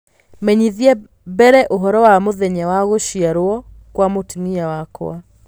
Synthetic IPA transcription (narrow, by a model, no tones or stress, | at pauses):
mɛɲiðiɛ | bɛɾɛʔoɦɔɾɔwamoðɛɲawaɣoʃiaɾoɔ | kwamotimiawakɔ̰a